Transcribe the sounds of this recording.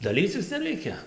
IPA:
dɐˈlʲiːt͡sʲɪs nʲɛˈrʲɛɪkʲɛ

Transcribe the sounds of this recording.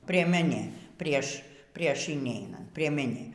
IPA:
pʲrʲiɛˈmʲæːnʲeː ˈpʲrʲiɛʃ ˈpʲrʲiɛʃ ɪnʲɛɪˈnɐnt pʲrʲiɛmʲɛˈnʲeː

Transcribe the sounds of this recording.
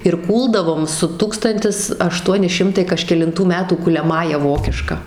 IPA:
ɪr ˈkuːlˠdɐʋoːm sʊ ˈtuːkstɐnʲtʲɪs ɐˈʃtuɔnʲɪ ˈʃʲɪmtɐɪ kɐʃʲkʲɛlʲɪnˈtuː ˈmʲæːtuː kʊlʲɛˈmɑːjɛ ˈʋoːkʲɪʃkɐ

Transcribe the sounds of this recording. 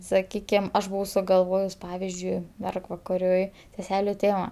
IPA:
sɐˈkʲiːkʲɪm ˈɐʃ bʊˈʋɐʊ sʊɡɐlˠˈʋoːjʊs ˈpɑːʋʲɪzʲd͡ʒʲʊɪ ˈmʲɛrɡʋɐkɐrʲʊɪ sʲɛˈsʲæːlʲʊ ˈtʲeːmɐ

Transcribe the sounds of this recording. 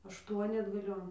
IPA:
ɐʃˈtuɔnʲɪ ɐdɡɐˈlʲoːn

